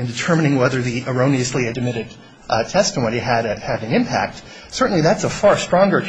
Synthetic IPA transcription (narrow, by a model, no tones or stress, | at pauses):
ɨ̃ndɨtʰɜ˞mɨñɪ̃ŋwɛðə˞ðiʔə˞õʊniɨsliɨdɨmɪɾɨd̥̚ | tʰɛstəmõʊ̃niɨɾɨɾɨ̃nɨ̃mpʰæ̰k̚t | sɜ˞ʔn̩liðætsəfɑɹstɹ̥ɔ̃ŋɡə˞